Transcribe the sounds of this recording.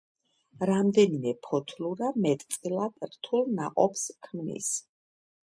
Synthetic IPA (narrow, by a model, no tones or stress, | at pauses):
ɾamd̪ɛnimɛpʰɔt̪ʰluɾamɛt̪ʼt̪sʼilˠad̪ɾt̪ʰulˠnaqʼɔ̰pskʰmnḭs